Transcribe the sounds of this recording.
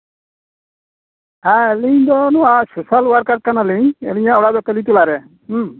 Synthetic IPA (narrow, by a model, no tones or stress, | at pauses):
aɛliɲd̪ɔnɔwasusalwaɾkaɾ̚kanaliɲɛ̰liɲaɔɽad̪ɔkɛlit̪ulaɾɛ